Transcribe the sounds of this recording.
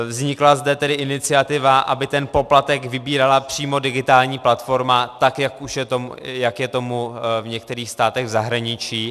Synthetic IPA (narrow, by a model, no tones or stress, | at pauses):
vzɲɪklazdɛt̪ɛdɪʔɪnɪt͡sɪat̪ɪvaʔʔabɪt̪ɛnpo̞plat̪ɛkvɪbiːɾalapr̝̥iːmo̞dɪɡɪt̪aːlɲiːplat̪fo̞ɾmat̪akjakuʃjɛt̪omjakjɛt̪o̞muvɲɛk̚t̪ɛɾiːxst̪aːt̪ɛɣvzaɦɾaɲɪt͡ʃiː